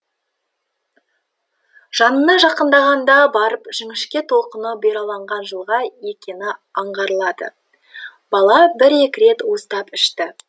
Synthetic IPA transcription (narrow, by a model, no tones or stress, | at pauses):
ʒ̥ɑnənɑʒɑqənd̪ɑʁɑnd̪ɑbɑɾəpʒ̥ɪŋɪʃkʲet̪ʰo̞lˠqənəbeɾɑlˠɑɴʁɑnʒəlˠʁɑje̞kʲe̞nɪɑɴʁɑɾəlˠɑd̪ə̰ | bɑlˠɑbɪɾe̞kʲɪɾe̞t̪wo̞st̪ɑpɪʃt̪ɪ